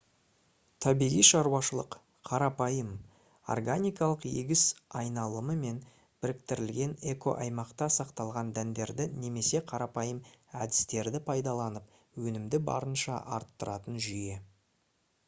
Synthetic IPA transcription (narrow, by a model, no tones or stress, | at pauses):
t̪ʰɑbijʁijʃɑɾuwɑʃəlˠəq | qʰːɑɾɑpɑjəm | o̰rɡanʲijkɑlˠəqjeɡʲɪsɑjnɑlˠəməme̞n | b̥ɪɾɪk̚t̪ɪɾɪlɡʲe̞ne̞ko̞̰ʔɑjmɑqt̪ɑsɑqt̪ɑlˠʁɑnd̪ænd̪e̞ɾd̪ɪne̞me̞se̞qʰɑɾɑpɑjəmæd̪ɪ̥st̪e̞ɾd̪ɪpʰɑjd̪ɑlˠɑnəp̚ | wɵnɪmd̪ɪbɑ̰ɾənʃɑ̰ʔɑ̰ɾt̪ːəɾɑt̪ənʒʏje̞